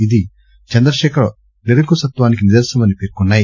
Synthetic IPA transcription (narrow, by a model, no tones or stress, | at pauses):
id̪i | t͡ʃɐnd̪ɾɐʃɛːkʰɐɾo | neɾɐkusɐt̪ʋaːnik̬iniɾd̪ɐɾsɐmɐnipeːɾkunːaːj